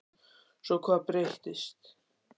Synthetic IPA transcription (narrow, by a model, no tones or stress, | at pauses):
ʂokʰvapɾeht̪ɪst̪